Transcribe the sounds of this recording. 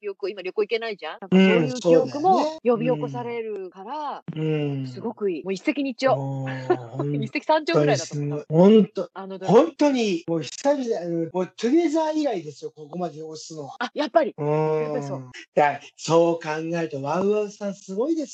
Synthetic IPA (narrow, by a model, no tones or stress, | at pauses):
ɾʲokɯoimaɾʲo̞kɯ̟oike̞naiʑãnãŋaɯ̃oɯoiːod̪ekɯ̟mo̞ejo̞bʲio̞ko̞saɾe̞ɾɯ̟kaɾaɯ̃ːsɨɡo̞kɯ̟iːmoːisːe̞kʲiɲ̟it͡ɕo | hõnisekʲi̥sãɲd͡ʑooɡɲɾiaiasɡoihõnt̪oanod̪hõnt̪o̞ɲ̟imoːçi̥saɾʲianomoːt̪ʰɯɾezaiɡaid̪e̞sɨjo̞ko̞ko̞mad̪e̞josɨno̞βaajapːaɾʲiɯ̃eod̪aso̞ːkãŋɡaet̪oβaɯ̟aɯsãɰ̃sɨɡo̞id̪e̞sɨ̥